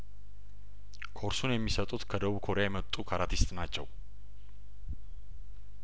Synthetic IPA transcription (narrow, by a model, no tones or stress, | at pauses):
kʰo̞ɾsunjɛmːisət̪ʼut̪kʰəd̪əβukʰo̞ɾejajɛmət̪ʼːukʰaɾat̪ʰist̪ʼnat͡ʃːɛw